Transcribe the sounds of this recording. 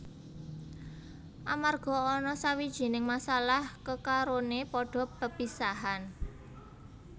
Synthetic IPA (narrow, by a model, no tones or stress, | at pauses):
ʔamarɡ̥ɔ̤ɔnɔsawid̥ʒ̥i̤nɪŋmasalahkəkaɾonepɔɖ̥ɔ̤pəpisaɦan